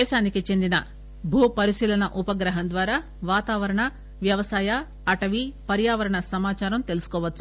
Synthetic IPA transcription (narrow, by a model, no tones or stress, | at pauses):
ɛːʃaːnikit͡ʃe̞nd̪inɐ | bʱuːpɐɾiʃiːlɐɳɐʔupɐɡɾɐɦɐnd̪ʋaːɾaː | ʋaːt̪aːʋɐɾɐɳɐ | ʋjɐʋɐsaːjɐː | ʈɐʋipɐɾjaːʋɐɾɐɳɐsɐmaːt͡ʃaːɾɐmt̪e̞lusu̥kɔːʋɐt͡ʃːu̥